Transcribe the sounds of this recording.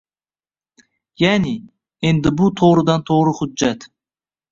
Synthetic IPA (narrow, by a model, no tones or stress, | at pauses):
jæːni | end̪ɪbut̪ʰoʁɾɨd̪ɑnt̪ʰoːɾɨhʊd͡ʒːɛt̪